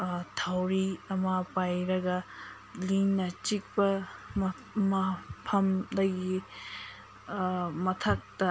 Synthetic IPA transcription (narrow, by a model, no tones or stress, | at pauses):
tʰawɾiɐmapajɾɐɡɐ | liŋnɐt͡ʃik̚pɐm | mɐpʰɐmdɐɡi | mɐtʰɐk̚tɐ